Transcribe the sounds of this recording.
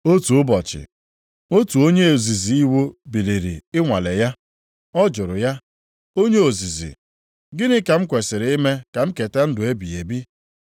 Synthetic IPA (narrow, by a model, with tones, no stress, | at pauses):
o˦tu˨ʊ˦bɔ˨t͡ʃɪ̰˨ | o˦tu˨o˦ɲe˦o˨zi˨zi˨i˦wo˦bi˨li˨ɾḭ˨ɪ˦ŋʷa˨le˨ja˦ | ɔ˦d͡ʒʊ˨ɾʊ˨ja˦ | o˦ɲe˦o˨zi˨zḭ˨ | ɡɪ˦nɪ˦ka˨m̩˦kʷe˨sɪ˨ɾɪ˨˦ɪ˦me˦ka˨m̩˦ke˨te˦n̩˦dʊ˨e˦bi˨e˨bi˦